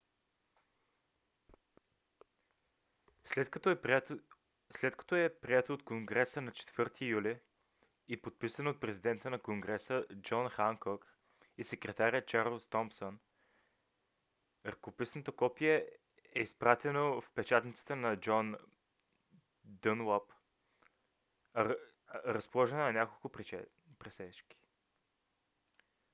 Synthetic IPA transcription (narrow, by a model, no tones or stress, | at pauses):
slɛt̪kɐ̥t̪ɔɛpɾiɛt̪oːt̪koŋɡɾɛsənɐt͡ʃɛ̥t̪v̥ɤɾt̪ʰijuli | ipot̪̚pisənot̪̚pɾɛzid̪ɛnt̪ənɐkoŋɡɾɛsəd͡ʒɔnxaŋkɔk | isɛkɾɛt̪aɾʲət͡ʃaɾəlˠst̪ɔmpson | ɾəkopisnət̪əkɔpijɛ | ɛispɾat̪ɛnofpɛt͡ʃat̪nit̪sə̥t̪ənɐd͡ʒɔn | d̪ənwɔp | ɾəspolˠɔʒɛnonɐnʲakolˠkʊ | pɾɛsɛt͡ʃki̥